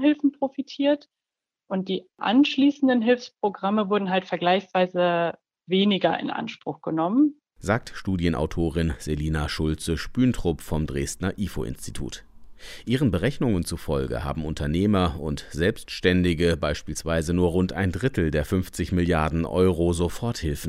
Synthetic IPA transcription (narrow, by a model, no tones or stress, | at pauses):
hɪlfn̩pʁ̥ofitʰiːɐt | ʔʊnt̚d̥iːʔa̰nʃliːsn̩dənɦɪlfspʁ̥oɡʁaməvʊɐdn̩ɦaltfɛɐɡlaɪçsv̥aɪzə | veːnɪɡɐʔɪ̰nʔa̰nʃpʁ̥ʊxɡ̥ənɔmən | zaːk̚tʃtuːdjənʔa̰ʊtʰoːʁɪnz̥eliːnaʃʊlt͡səʃpyːntʁ̥ʊpfɔmdʁeːstnɐʔiːfo̰ʔɪ̰nsti̥tʰṵːtʔiːʁ̞ənbəʁɛçnʊŋənt͡sufɔlɡə̰ha̰ːbm̩ʔʊntɐneːmɐʊntz̥ɛlpstʃtɛndɪɡəbaɪʃpiːlsv̥aɪzənuːɐʁʊntʔa̰ɪndʁɪtl̩deːɐfʏnft͡sɪçmɪljaɐdn̩ʔɔ̰ʏʁozofɔɐthɪlfn̩